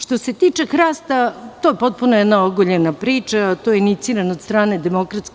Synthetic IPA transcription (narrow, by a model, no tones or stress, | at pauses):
ʃt̪o̞se̞t̪iːt͡ʃe̞xɾaːst̪at̪ojepo̞t̪̚punojɛd̪naoɡoʎenapɾiːt͡ʃat̪oːjeinit̪siːɾanod̪st̪ɾaːne̞d̪e̞mo̞kɾat̪sk